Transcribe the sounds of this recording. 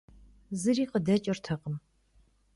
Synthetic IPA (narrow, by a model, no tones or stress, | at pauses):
zɨriːqədɐt͡ʃʼɐrtʰɐqʼəm